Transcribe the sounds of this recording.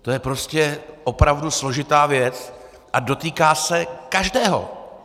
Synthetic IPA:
t̪o̞jɛpɾo̞scɛʔo̞pɾavduslo̞ʒɪt̪aːvjɛt͡s | ʔado̞t̪iːkaːsɛkaʒdɛːɦo̞̰

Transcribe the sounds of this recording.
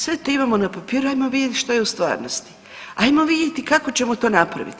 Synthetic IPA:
sʋet̪oimamonapapiːɾuajmoʋid̪jet̪ʃt̪ojeust̪ʋa̰ːɾnost̪i̥ | ajmo̞ʋid̪je̞t̪ikako̞t͡ɕe̞mo̞t̪o̞ːnapɾa̰ʋḭt̪i

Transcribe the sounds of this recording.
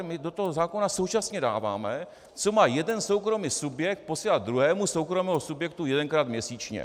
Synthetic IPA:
mɪdo̞t̪oɦozaːko̞naso̞wt͡ʃasɲɛda̰ːva̰ːmɛ | t͡so̞maːjɛdɛnso̞wkɾo̞miːsubjɛk̚t̪̚po̞siːlad̪̚d̪ɾuɦɛːmuso̞wkɾomɛːɦosubjɛk̚t̪ujɛdɛnkɾaːt̪mɲɛsiːt͡ʃɲɛ̰

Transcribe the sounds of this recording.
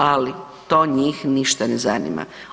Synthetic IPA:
ali | t̪oːɲiːxniʃt̪anezanḭma̰

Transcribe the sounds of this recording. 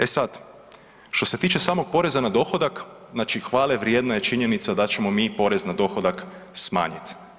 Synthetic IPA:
e̞sad̪ | ʃt̪o̞se̞t̪iːt͡ʃe̞saːmo̞ɡ̥̚po̞ɾe̞zanad̪o̞xo̞d̪ak | znaːt͡ʃixʋaːleʋɾjeːd̪naje̞t͡ʃiɲe̞nit̪sad̪at͡ɕe̞mo̞miːpo̞ɾe̞znad̪o̞xod̪ak | sma̰ːɲit̪

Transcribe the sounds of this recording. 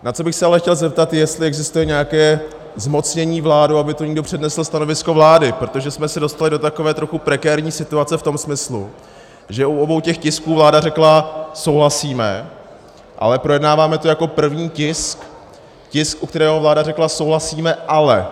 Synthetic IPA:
nat͡so̞bɪxsɛalɛxcɛlzɛp̚t̪at̪jjɛst̪lɪɛɡzɪst̪ujɛɲɛjakɛː | zmo̞t͡sɲɛɲiːvlaːduabɪt̪oɲɪɡdo̞pr̝̥ɛdnɛsl̩st̪ano̞vɪsko̞vlaːdɪpɾo̞t̪o̞ʒɛsmɛsɛdo̞st̪alɪdo̞t̪ako̞vɛːt̪ɾo̞xupɾɛkɛːɾɲiːsɪt̪uat͡sɛft̪o̞msmɪslṵ | ʒɛʔuobo̞wcɛxcɪskuːvlaːdarɛklaso̞wɦlasiːmɛ̰ | ʔa̰lɛpɾo̞jɛdnaːvaːmɛt̪ojako̞pr̩vɲiːcɪsk | cɪskʔuk̚t̪ɛɾɛːɦovlaːdarɛklaso̞wɦlasiːmɛʔalɛ̰

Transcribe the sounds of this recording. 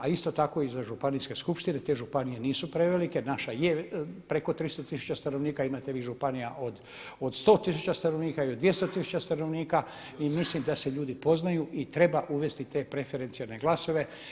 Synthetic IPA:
aist̪o̞t̪ako̞izaʒupaniske̞skupʃt̪ine̞t̪e̞ʒupanijeniːsupɾeʋelike̞naʃajepɾe̞ko̞t̪ɾist̪ot̪isu̥t͡ɕast̪ano̞ʋniːkaimaːt̪e̞ʋiːʒupanijaʔo̞d̪ | o̞d̪st̪o̞ːt̪isut͡ɕast̪ano̞ʋniːkaiod̪ʋjest̪ot̪isu̥t͡ɕast̪ano̞ʋniːka | imislimd̪ase̞ʎuːd̪ipo̞znajuʔit̪ɾe̞baʔuʋe̞st̪it̪e̞pɾefeɾe̞nt̪sialne̞ɡlˠaso̞ʋe̞

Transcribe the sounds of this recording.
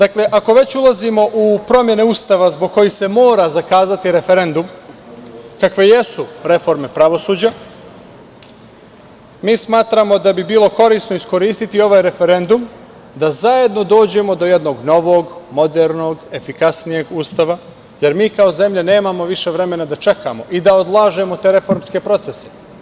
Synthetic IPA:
d̪̥akle̞ʔako̞ʋe̞t͡ɕulˠazimo̞ʔupɾo̞mje̞neust̪aʋazbo̞ɡ̚kːo̞jise̞mo̞ːɾazakaːzat̪iɾe̞fe̞ɾe̞nd̪um | kakʋe̞je̞suɾe̞fo̞ɾme̞pɾaʋo̞suːd͡ʑa | miːsmaːt̪ɾamo̞d̪abibiːlˠo̞ko̞ɾiːsnoisko̞ɾiːst̪it̪io̞ʋaːjɾe̞fe̞ɾe̞nd̪um | d̪azaje̞d̪no̞d̪o̞ːd͡ʑe̞mo̞d̪o̞je̞d̪no̞ːɡno̞ʋoːɡmo̞d̪eɾno̞ːɡe̞fikasnije̞ɡuːst̪aʋa | je̞ɾmiːkao̞ze̞mʎene̞ːmamo̞ʋiʃe̞ʋɾe̞me̞nad̪at͡ʃe̞kamo̞ʔid̪aod̪lˠaːʒe̞mo̞t̪e̞ɾe̞fo̞ɾmske̞pɾo̞t̪sese

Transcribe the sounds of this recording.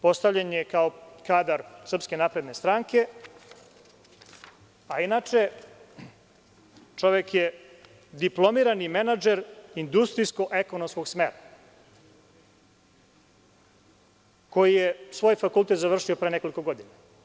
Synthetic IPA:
po̞st̪aʋʎaɲekaokaːd̪aɾsr̩pske̞naːpɾe̞d̪ne̞st̪ɾaːŋke̞ | ainat͡ʂe̞ | t͡ʂo̞ʋekje | d̪iplˠo̞miːɾanimenad͡ʒeɾind̪ust̪ɾisko̞ʔeko̞nomskoɡsmḛɾa | ko̞jijesʋo̞ːjfakult̪et̪zaʋr̩ʂio̞pɾeːneko̞liko̞ɡo̞d̪ina

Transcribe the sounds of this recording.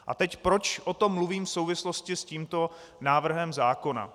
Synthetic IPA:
ʔa̰t̪ɛcpɾo̞t͡ʃʔo̞t̪o̞mːluviːmfsowvɪslo̞scɪsciːmt̪o̞ | naːvr̩ɦɛmzaːko̞na̰

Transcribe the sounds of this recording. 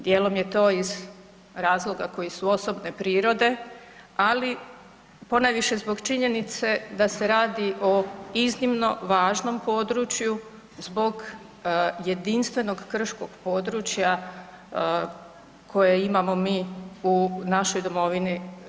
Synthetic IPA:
d̪jeːlo̞mje̞t̪o̞ːiz | ɾaːzlˠo̞ɡako̞jesuo̞so̞bne̞pɾiːɾo̞d̪e̞ | ali | po̞najʋiʃe̞zbo̞ɡt͡ʃiɲe̞nit̪se̞d̪ase̞ɾaːd̪iʔo̞iznimno̞̰ʋaːʒno̞mpo̞ːd̪ɾut͡ʃju | zbo̞ɡ | je̞d̪inst̪ʋe̞no̞ɡkr̩ʃko̞ɡ̥po̞ːd̪ɾuːt͡ʃja | kʰo̞jeimamo̞miːunaʃo̞jd̪omo̞ʋini

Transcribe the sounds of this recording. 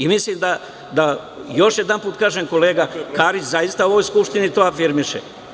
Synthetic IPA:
imisliːmd̪a | d̪a | jo̞ʃjed̪anpuːt̪kaːʒemko̞leːɡakaːɾit͡ʃzajist̪aoʋo̞jskupʃt̪init̪oafiɾmiʃḛ

